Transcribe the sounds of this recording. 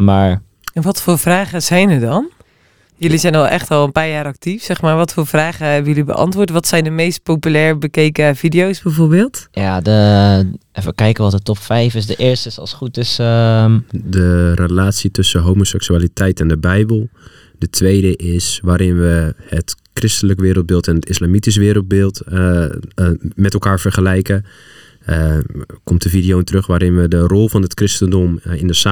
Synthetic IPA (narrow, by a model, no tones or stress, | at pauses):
maːɹ | ɛnʋɔtfoːɹfraːχəzɛjnəɹdɔn | jɵlizɛjnɔlˠʔɛχtɔlˠənpaːɹjaːɾɑk̚tifsɛχmaːɹʋɔtfoːfraːχəɦɛbəjɵlibə̰ʔɑ̰ntʋʊːɹtʋɔtsɛjndəmejst̚popylɛːɹbəkejkəvidiowsbɛjvoːɹbeːlˠtjadə | ɛfəkɛjkəʋɔt̚dətɔpfɛjfɪsdəʔɪːɹstəɪsɑ̰lˠsχutɪs | dərəlaːtsitɵsəɦoːmosɛksyaːlitʰɛjtɛndəbɛjbəlˠ | d̥ətʰʋejdəʔɪsʋaːɾɪnʋəətkrɪstələkʋɪːɾəl̩̚ˠbɪːlˠtɛnətɪslaːmitis̬ʋɪːɾəl̩ˠt̚bɪːlˠt | mɛtɛlˠkaːɹfərχəlɛjkə | kɔmtdəfidijontərøxʋaːɾɪnʋədərɔlˠvɑnɦətkrɪstəndɔmɪndəsa